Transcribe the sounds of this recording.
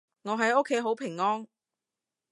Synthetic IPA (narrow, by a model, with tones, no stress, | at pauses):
ŋɔː˨˧ɦɐ˨˥jo˥kʰːe˨˥jɦo˨˥wpʰɪ˨˩ŋːɔː˥ŋ